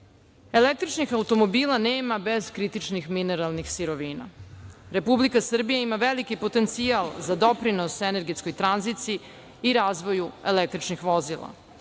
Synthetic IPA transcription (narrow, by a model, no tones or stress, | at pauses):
e̞lek̚t̪ɾit͡ʃnixaut̪o̞mobiːlˠaneːmabe̞zkɾit̪it͡ʃnixmine̞ɾalˠnixsiɾo̞ʋiːna̰ɾe̞publikasr̩bijaimaʋelikipo̞t̪e̞nt̪sialˠzad̪o̞pɾinosene̞ɾɡetsko̞jt̪ɾanzit̪siiː | ɾaːzʋo̞jue̞̰lek̚t̪ɾit͡ʃnixʋo̞zilˠa̰